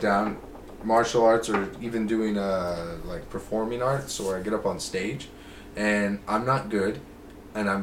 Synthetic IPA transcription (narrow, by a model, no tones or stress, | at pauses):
d̥ãʊ̃n | mɑɹʃl̩ˠɑɹtsə˞ivɨ̃ndʉɪ̃ŋʌlaɪk̚pʰə˞fɔɹmɪ̃ŋɑɹtsoʊwə˞aɪɡɛɾʌpn̩steɪ̥d͡ʒ | ɨ̃nʔãɪ̃mnət̚ɡ̥ʊd | ɨ̃nãɪ̃